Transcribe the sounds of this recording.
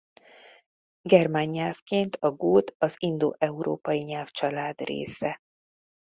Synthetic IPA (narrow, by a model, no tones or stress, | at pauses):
ɡɛrmaɲːɛlfkeːnt̪ʰɒɡoːd̪ɒzind̪o̰ːʔɛuɾo̰ːpɒjiɲɛlft͡ʃɒlaːd̪rḛːsɛ